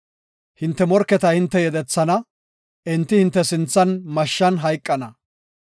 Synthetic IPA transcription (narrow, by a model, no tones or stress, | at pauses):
hɪnt̪ːɛmɔɾkːɛt̪ɐhɪnt̪ːɛjɛd̪ɛt͡sːɐnɐ | ɪnt̪ːɪhɪnt̪ːɛsɪnt͡sːɐnmɐʃːɐnɦɐjkʼːɐnɐ